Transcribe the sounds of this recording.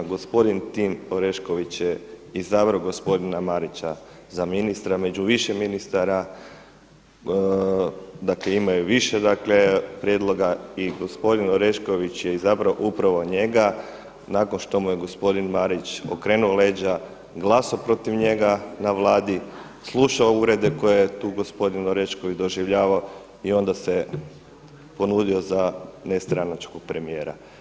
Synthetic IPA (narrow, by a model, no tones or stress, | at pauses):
ɡo̞spo̞d̪int̪imoɾeʃko̞ʋit͡ɕje | izabɾoɡo̞spo̞d̪inamaɾit͡ɕa | zaminist̪ɾame̞d͡ʒuʋiʃeminist̪aɾa | d̪akleimajuʋiʃed̪akle̞pɾjed̪lˠo̞ɡaiɡo̞spo̞d̪inoɾeʃko̞ʋit͡ɕjeizabɾoʔupɾaʋo̞ɲe̞ɡa | nako̞nʃt̪o̞mujeɡo̞spo̞d̪inmaɾit͡ʃo̰kɾe̞ːnuole̞ːd͡ʑa | ɡlˠaːsopɾo̞t̪iʋɲe̞ɡanaʋlˠaːd̪i | slˠuʃaouɾed̪e̞ko̞jejet̪uːɡo̞spo̞d̪inoɾeʃkoʋit͡ʃd̪o̞ʒiʋʎaːʋao | io̞nd̪ase | po̞nuːd̪io̞zanest̪ɾanat͡ʃkoɡ̚pɾe̞mije̞ːɾa̰